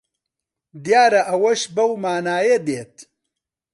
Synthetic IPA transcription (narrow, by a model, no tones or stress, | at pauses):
d̪jaːɾɐʔɐwɐʃbɐwmaːnaːjed̪eːt̪